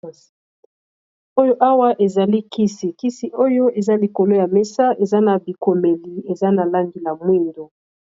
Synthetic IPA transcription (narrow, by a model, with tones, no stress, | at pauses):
o˦jo˦ʔa˦wa˦ʔe˨za˨li˦ki˦si˨ki˦si˨ʔo˦jo˦e˨za˦li˨ko˨lo˦ja˨mɛ˦sa˦e˨za˦na˨bi˨ko˨me˨li˨e˨za˦na˨la˦ŋɡi˨la˨mwi˦ndo˨